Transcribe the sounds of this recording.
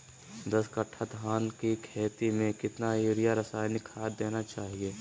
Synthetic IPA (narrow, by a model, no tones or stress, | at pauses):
d̪ɐskɐʈʰat̪ɦaːnkikʰeːt̪imẽkɪt̪naeːɾijaɾɐsaːjnɪkʰaːd̪eːnat͡ʃaːɦieː